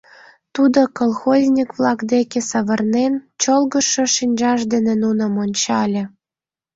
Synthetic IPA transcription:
t̪ud̪okolˠxozʲnʲikβlɑkd̪ekĕsɑβɤ̆rnent͡ɕolɣə̆ʃɤ̆ʃinʲʒɑʃd̪enĕnunə̆monʲt͡ɕɑlʲĕ

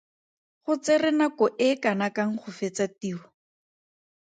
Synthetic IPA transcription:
χʊt͡serɪnakɔʔɪkanakaŋ̩χʊfet͡satiːɔ

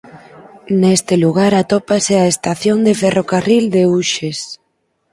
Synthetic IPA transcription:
nest̪ɪluɣaɾat̪ɔpaseaest̪aθjond̪eferokarild̪euʃes

